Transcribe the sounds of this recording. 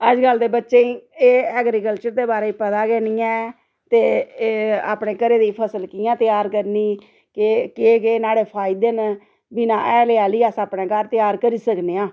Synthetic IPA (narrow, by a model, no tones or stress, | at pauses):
əd͡ʒɡəld̪eːbətːʃeːĩːeːɛːɡɾikəlt͡ʃəɾd̪eːbaːɾeːipət̪aːɡɛːniːɛ̃ː | t̪eː | a̰ːpneːkəɾeːd̪iːpʰəsəlkijãːt̪ɪjaːɾkəɾniː | kekeːɡeːnaːɽeːpʰaːɪd̪eːn | bɪnãːʔɛːleaːliːaːsaːpnẽːkaːɾt̪ɪjaːɾkəɾiːsəkneːãː